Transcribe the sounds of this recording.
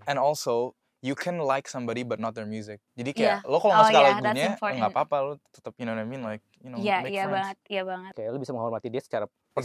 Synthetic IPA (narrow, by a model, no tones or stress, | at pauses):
ɛ̃nɔlso | jukʰɛ̃nlajksʌ̃mbɔɾibat̪̚nɔt̪̚jɔɹmjuzɪk̚d͡ʒadikajalowkaloŋskalaiɡuɲapɔŋɡapapalot̪ə̥t̪əp̚jinonamĩnlajk̚junojamejabaŋət̪̚jabaŋəkajalobisaməŋaɔlmat̪idiasə̥t͡ʃaɾa | pə